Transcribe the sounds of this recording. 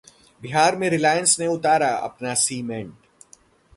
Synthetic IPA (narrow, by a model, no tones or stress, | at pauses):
bɪɦaːɾmẽɾɪlaːjə̃nsneʊt̪aːɾaɐ̰pnasiːmẽɳʈ